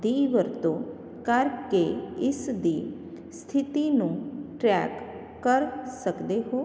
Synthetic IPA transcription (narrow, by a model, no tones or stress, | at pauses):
d̪iʋəɾt̪o | kaɾkeɪsd̪i | st̪ʰit̪inũʈɾɛkː | əɾsəkd̪eɦo